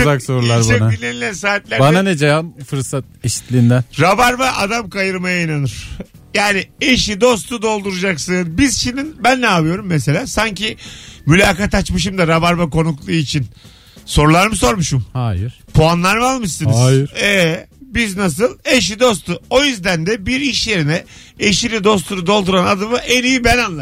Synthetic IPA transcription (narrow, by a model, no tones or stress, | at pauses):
zaksoɾulˠaɾbɛnailːʲenilʲænsaːt̪lʲæɾbananɛd͡ʒajamfɯɾsat̪̚eʃi̥t̪lʲiːnd̪ɛnɾabaɾbaʔad̪amkajɯɾmajainanɯɾ̥ | jaːnieʃid̪o̞st̪ʰud̪o̞lˠd̪uɾud͡ʒaksɯnbizʃind̪inbænːaːvɯjo̞ɾumːes̬e̞lʲaːsaɲcimylʲaːkat̪at͡ʃmɯʃ̬ɯmd̪aɾabaɾvako̞nuklˠuːit͡ʃʰin | so̞ɾulˠaɾmɯs̬o̞ɾmuʃɯmhajɾpʰoanlˠaɾmalˠmɯʃsɯnɯzjɛbiznas̬ɯlˠe̞ʃ̬id̪o̞s̬t̪ʰuo̞jyzd̪ænd̪ɛbiɾiʃje̞ɾinɛ | eʃinid̪o̞s̬t̪ʰuɾud̪o̞lˠd̪uɾanad̪ɯmɯʔenijibɛnanlːˠa